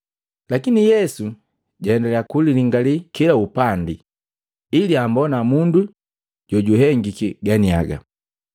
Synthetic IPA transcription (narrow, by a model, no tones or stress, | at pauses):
lakinijɛsu | ɟaɛndɛlɛakuliliŋɡalikilaupandiː | liambɔnamundu | ɟ̥ɔɟuɦɛŋɡikiɡania̰ɡa̰